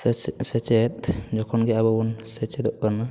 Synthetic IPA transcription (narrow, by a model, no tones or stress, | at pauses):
sɛt͡ʃɛt̪̚d͡ʒɔkʰɔnɡɛababɔnsɛt͡ʃɛd̪ɔʔkana